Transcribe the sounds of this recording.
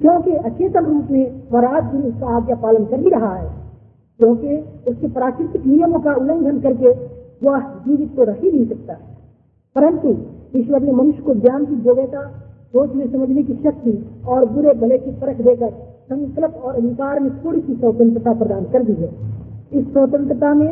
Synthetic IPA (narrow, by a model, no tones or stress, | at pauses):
kjõːkeʔɐt͡ʃeːt̪əmɾuːpmẽʋəɾaːd̪bʱiʊskaaːd̪japaːlənkəɾiɾɐɦaɦɛ̰ː | kjõːkeʊskepɾaːkɾɪt̪ɪknijəmõkaʊlə̃nd̪ʱənkəɾkeʋəd͡ʒiːʋɪt̪̚koɾɐɦineisɐk̚t̪aɦɛ | pəɾə̃nt̪uiːʃwəɾnemənʊʃjkod͡ʒjaːnkid͡ʒoːɡeːt̪aboːt͡ʃ̪mẽsɐməd͡ʒʱnekiʃək̚t̪iɔːɾbʊɾeb̪ʱəlekipəɾəkʰd̪eːkəɾ | sə̃ŋkələpɔːɾɐd̪ʱɪkaːɾmẽt̪ʰoːɽikisəːt̪ə̃nt̪ɾət̪apɾəd̪aːnkəɾd̪iɦɛːɪsːəːt̪ə̃nt̪ɾət̪amẽ